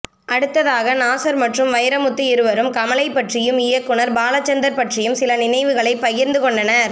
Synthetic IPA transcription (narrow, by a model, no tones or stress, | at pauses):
ʔɐɽɯt̪ːɐðaːɣɐnaːsɐɾmɐʈrɯmʋɐjɐɾɐmʊt̪ːiɪɾɯʋɐɾɯmkɐmɐlɐɪpːɐʈrɪjɯmɪjɐkːɯɳɐɾbaːlɐt͡ʃːɐnd̪ɐɾpɐʈrɪjɯmsɪlɐnɪnɐɪʋɯɣɐɭɐɪpːɐjɪɾnd̪ɯkɔɳɖɐnɐɾ